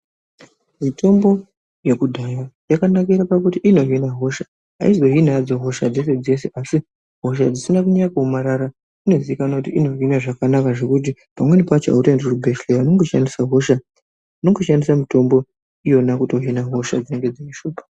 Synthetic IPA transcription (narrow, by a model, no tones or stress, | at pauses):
mito̞mbo̞ | je̞kudʱajajakanakiɾapakutiʔino̞ɦinaɦo̞ʃa | ɦa̰izo̞ɦinaad͡zoɦo̞ʃad͡zesed͡ze̞se̞ʔasi | ɦo̞ʃ̬ad͡zisinakuɲajakuomaɾaɾa | ino̞ziikanakutiino̞ɦinaʐakanakaʐe̞kut̬i | pamwe̞nepat͡ʃa̰utenderubʱe̞ʃlejano̞ŋɡoʃandisaɦo̞ʃa | inoŋɡoʃandisamito̞mbo̞ | ijo̞nakuto̞ɦinaɦo̞ʃa̰d͡zineŋɡe̞d͡zeiʃuːpḁ